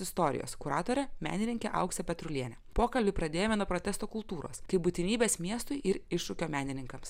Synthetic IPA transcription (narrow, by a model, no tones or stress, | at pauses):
ɪst̪oːɾʲɪ̰jo̰ːskʊɾɑːt̪oːɾʲɛmʲæ̰ːnʲɪnʲɪŋʲkʲɛʔɐ̰ʊksʲɛpʲɛt̪ɾʊlʲiɛnʲɛpoːkɐlʲbʲʊpɾɐd̪ʲeːjoːmʲɛnuɔpɾot̪ʲɛst̪oːkʊlˠt̪uːɾo̰ːskɐɪbʊt̪ʲɪnʲiːbʲeːsmʲiɛst̪ʊɪʔɪɾɪʃʊkʲoːmʲæːnʲɪnʲɪŋkɐms